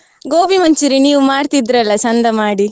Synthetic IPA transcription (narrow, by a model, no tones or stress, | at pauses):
ɡoːbimɐɲt͡ʃiɾiniːʋumaːɽt̪id̪ɾɐlːɐsɐnd̪ɐmaːɽi